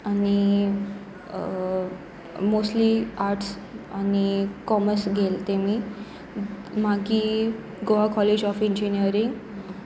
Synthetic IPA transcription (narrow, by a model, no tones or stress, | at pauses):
ani | mosʈliaɾʈs | anikɔməɾsɡʱelt̪emiː | maɡiː | ɡoakɔled͡ʑɔfiɲd͡ʑinijəɾiŋɡ